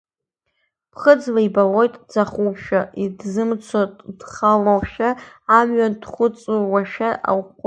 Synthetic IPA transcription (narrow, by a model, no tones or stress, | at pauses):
pʰχəd͡zlaibalo̞jtʼd͡zaχupʰʃaidzɨmt͡sʷʰatʼd̥χalowʃaːmɥandχʷʊt͡sʼuwaʃaʔa̰wʷ